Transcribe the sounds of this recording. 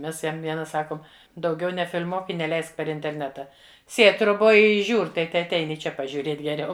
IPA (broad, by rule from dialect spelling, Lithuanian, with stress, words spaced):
ˈmʲɛs ˈjɛm ˈʋʲiɛnɐ ˈsɑːkoːm dɐʊˈɡʲɛʊ nʲɛfʲɪlʲˈmuɔk ɪ nʲɛˈlʲɛɪsk pʲɛr ɪnʲtʲɛrʲˈnʲæːtɐ ˈsʲeːtʲ troːˈboːj ˈɪ ˈʒʲuːrʲ ˈtɐɪ tʲɛɐtʲˈɛɪn ɪ ˈt͡ʃʲɛ pɐʒʲuːˈrʲeːtʲ ɡʲɛˈrʲɛʊ